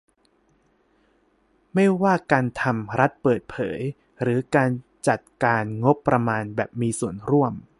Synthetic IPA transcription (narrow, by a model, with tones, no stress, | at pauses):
ma˥˩jwaː˥˩kaː˧nt̪ʰa˧mɾa˦˥t̪̚pɤː˨˩t̪̚pʰɤ̰ː˩˦j | ɾɯː˩˦kaː˧n | t͡ɕa˨˩t̪̚kaː˧nŋo˦˥pːɾa˧maː˧nbɛː˨˩p̚miː˧su˨˩ənɾu˥˩əm